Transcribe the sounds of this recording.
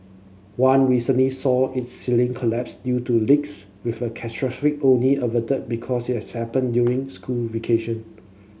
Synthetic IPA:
wãnɹisə̃nlisɔɪt̚silĩŋkʰɔlɛpsdjutulɪks | wifəkʰɛstɹɔsɹik̚õnliəvətət̚bikʰɔsit̚hɛshɛpə̃ndjuɹĩŋskʰulvekʰeʃə̃n

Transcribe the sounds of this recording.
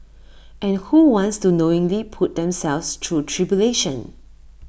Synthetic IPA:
ʔɛ̃nhuwɔ̃ntstunoɪ̃ŋlipʰut̚d̪ɛ̃msɛlfstʰɹutʰɹibjuleʃə̃n

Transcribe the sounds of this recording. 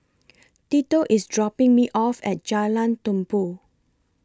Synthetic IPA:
titoʔisdɹɔpɪ̃ŋmiʔɔfɛ̰t̚d͡ʒalãntũmpu

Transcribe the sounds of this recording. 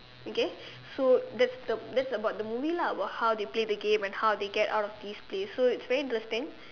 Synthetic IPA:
oke | sod̪ɛtsd̪əd̪ɛtsəbaʊt̚d̪əmuvilaəbat̚hawd̪epledəɡẽmɛ̃nhawd̪eɡɛta̰wtɔfd̪isplesːoɪtsvɛɹiɪ̃ntɹɛstɪ̃ŋ

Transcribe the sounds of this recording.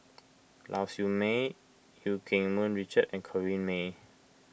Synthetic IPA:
lʔa̰sjume | jukʰẽŋmə̃nɹit͡ʃətɛ̃nkʰɔɹĩnme

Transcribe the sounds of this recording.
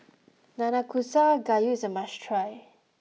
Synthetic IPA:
nanakʰusaɡajuɪzəmaʃtʰɹaj

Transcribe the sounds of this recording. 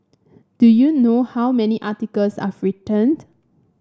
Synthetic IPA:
d̥ujunohawmɛniʔatikəlsa̰fɹitə̃nd

